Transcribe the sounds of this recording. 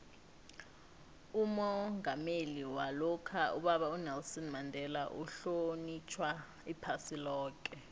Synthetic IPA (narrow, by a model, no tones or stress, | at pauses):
umɔŋameliwalɔkʰaʔṵɓaɓaunɛlsɔnmandʱɛlaʔṵɬonit͡ʃʰwa | ipʰasilɔːk̬ʼɛ